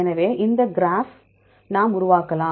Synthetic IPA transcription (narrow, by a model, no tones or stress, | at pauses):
ɛnɐʋeːʔɪnd̪ɐɡɾaːf | nãːmʊɾʊʋaːkɐlãː